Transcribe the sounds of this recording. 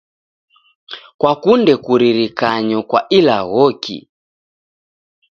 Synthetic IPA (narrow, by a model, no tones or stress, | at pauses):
kwakundɛkuɾiɾikaɲɔkwa̰ʔilaɣɔkʰḭ